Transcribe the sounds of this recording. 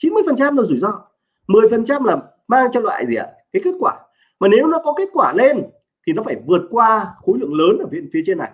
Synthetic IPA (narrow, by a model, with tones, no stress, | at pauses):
t͡ɕi˨˦nmɨ˧jfə˨˩nt͡ɕa˧mla˨˩zu˧˩zɔ˧ | mɨ˨˩əjfə˨˩nt͡ɕa˧mlaː˨˩m | maː˧ŋt͡ɕɔ˧lwa̰ː˧˨jzi˨˩ʔa̰˨˩kaː˨˦jke˦˥t̚kwaː˧˩ | maː˨˩ne˨˦wnɔ˨˦kɔ˨˦ke˦˥t̚kwaː˧˩le˧n | t̪ʰi˨˩nɔ˨˦faː˧˩jvɨ˨˩ət̚kwaː˧xo˨˦lɨ̰˧˨əŋləː˨˦nʔəː˧˩vḭ˧˨nfi˨˦ət͡ɕe˧nːa˨˩j